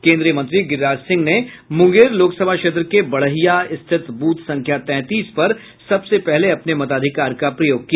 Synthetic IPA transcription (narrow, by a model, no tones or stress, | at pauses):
kẽːnd̪ɾijəmɐ̃nt̪ɾiɡɪɾaːd͡ʒsɪ̃ŋɡnemʊ̃ŋɡeːɾloːksəbʱaʃeːt̪̬ɾəkebɐɽ̤əɦijaɪst̪ʰɪt̪buːt̪sɐ̃ŋkʰjat̪ɛ̃ːt̪iːspɐɾ | sɐbsepɛɦleɐpnemɐt̪aːd̪ʱɪkaːɾkapɾɐjoːɡ̚kija